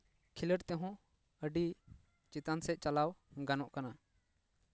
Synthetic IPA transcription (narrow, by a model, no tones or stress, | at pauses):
kʰiləɽt̪ɛɦɔ̃ | əɖi | t͡ʃit̪ansɛc̪̚ˀt͡ʃalawɡanɔʔkana